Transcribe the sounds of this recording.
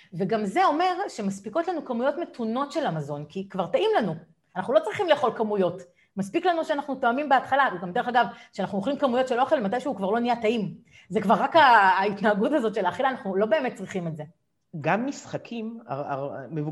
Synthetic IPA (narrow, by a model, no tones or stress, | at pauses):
ve̞ɡamze̞o̞me̞ʁʃe̞maspiko̞tlanukamujo̞tme̞tuno̞tʃe̞lamazo̞nkikvaʁtaʔimlanu | anaχnulo̞t͡sʁiχimleːχo̞lkamujo̞t | maspiklanuʃeanaχnutoamimbeatχalaveɡamdee̞χaɡavkʃeanaχnuoχlimkamujo̞tʃelo̞χe̞lmat̬ajʃeukvaʁlo̞nijataim | zekvaʁːakaːitnaːɡutazo̞tʃe̞laːχilaːnaχnulo̞be̞ːmet̚t͡sʁiχime̞tze̞ | ɡamːisχakʰima̰a̰mevu